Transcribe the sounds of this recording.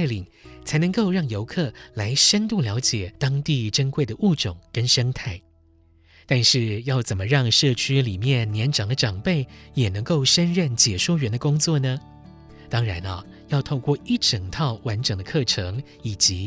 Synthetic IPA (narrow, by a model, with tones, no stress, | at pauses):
ɪli˨˩ŋt͡sʰa˧˥ɪnɤ˧˥ŋko˥˧ʊɻɑ˥˩ŋjo˧˥ʊkʰɤ˥˩la˧˥ɪʂə˥nt̪u˥˩ljɑ˧˥ʊt͡ɕjɛ˨˩t̪ɑ˥ŋt̪i˥˩ʈ͡ʂə˥nkwe˥˩ɪd̪ə˩ʔu˥˩ʈ͡ʂʊ˨˩˦ŋkə˥nʂɤ˥ŋt̪ʰa˥˩ɪ | t̪a˥˧nʂɻ̩˥˧jɑ˥˩ʊt͡sə˨˩nmə˦ɻɑ˥˧ŋʂɤ˥˩t͡ɕʰy˥li˨˩mjɛ˥˩nːjɛ˧˥nʈ͡ʂɑ˨˩ŋd̪ə˦ʈ͡ʂɑ˨˩ŋpe˥˩ɪjɛ˨˩nɤ˧˥ŋko˥˩ʊʂə˥nɻə˥˩nt͡ɕjɛ˨˩ʂwɔ˥ɥɛ˧˥nd̪ə˧kʊ˥ŋt͡swɔ˥˩nə˩ | t̪ɑ˥ŋɻa˧˥nɐ˧ | jɑ˥˧ʊt̪ʰo˥˧ʊkwɔ˥˧˩i˥˩ʈ͡ʂə˨˩ŋt̪ʰɑ˥˩ʊwa˧˥nʈ͡ʂɤ˨˩ŋd̪ə˦kʰɤ˥˩ʈ͡ʂʰɤ˧˥ŋ | i˨˩t͡ɕi˧˥